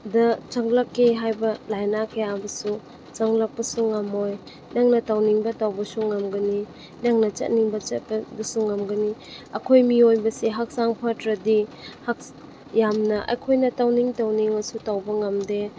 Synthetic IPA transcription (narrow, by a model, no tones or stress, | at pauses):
dɐt͡ʃaŋlakːeɦajbɐlajnakʰejabɐsu | t͡ʃaŋlak̚pɐsuŋɐmoj | naŋnɐtawniŋbɐtawbɐsuŋɐmɡɐni | naŋnɐt͡ʃɐ̰t̚niŋbɐt͡ʃɐt̚pɐbɐsuŋɐmɡɐniɐkʰojmiojbɐseɦak̚saŋpʰatɾɐdihak̚ | jamnɐʔɐ̰kʰojnɐtawniŋtawniŋɐsutawbɐŋɐmde